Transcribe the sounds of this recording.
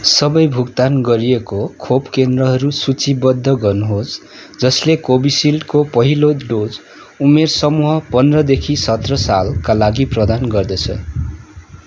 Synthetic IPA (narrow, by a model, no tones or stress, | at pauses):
sʌbʌjbʱukt̪anɡʌɾiekokʰobkend̪rʌɦʌɾusut͡sibʌd̪ʱːʌɡʌrnuɦos | d͡zʌslekobisilkopʌɦiloɖod͡z | umersʌmuɦʌpʌnrʌd̪ekʰisʌt̪rʌsalkalaɡiprʌd̪anɡʌrd̪ʌt͡sʰʌ̰